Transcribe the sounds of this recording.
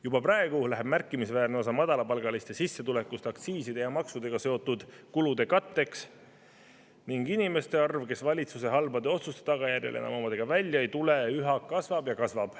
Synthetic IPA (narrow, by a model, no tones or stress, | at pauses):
jubɑprɑe̞ɡ̥ulæɦeb̥mærkːˑimisvæːrneo̞s̬ɑmɑd̪̥ɑlɑpɑlɡ̥ɑlist̪e̞sisːe̞t̪ule̞kːust̪eɑkt̪siːsid̪̥e̞jɑmɑksud̪e̞ɡ̥ɑse̞o̞t̪ːˑud̪̥kulud̪e̞kɑt̪ːe̞ks | niŋɡinime̞st̪e̞ɑrvke̞svɑlʲit̪suse̞ɦɑlbɑd̪e̞o̞t̪sust̪e̥t̪ɑɡ̥ɑjærjɑ̰lʔenɑ̰momɑd̪̥eɡ̥ɑvælʲjɑejt̪uleyɦɑkːɑsvɑb̥jɑkɑsvɑb̥